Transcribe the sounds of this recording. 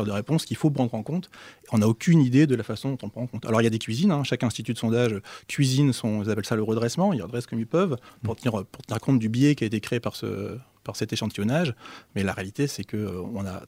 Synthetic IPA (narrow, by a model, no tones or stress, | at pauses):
ɛʁd̪əʁepɔ̃skʲilfop̬χɑ̃d̪ʁɑ̃kɔ̃t̪eɔ̃naokʲynid̪ed̪əlafasɔ̃d̪ɔ̃t̪ɔ̃pχɑ̃ɑ̃kɔ̃t̪a̰lɔʁiljad̪ekʲɥizinɛ̃ʃakɛ̃st̪it̪yd̪əsɔ̃d̪aʒøkʰʲɥizinsɔ̃ilzapɛlsaləʁəd̪ʁɛsmɑ̃ilʁəd̪ʁɛskɔmilpœvppuʁt̪əniʁpuʁt̪əniʁkɔ̃t̪̚d̪ybjɛkʲiaet̪ekχeepaʁsə̰ | paʁsɛt̪eʃɑ̃t̪ijɔnaʒmɛlaʁealit̪esɛkəøɔ̃na̰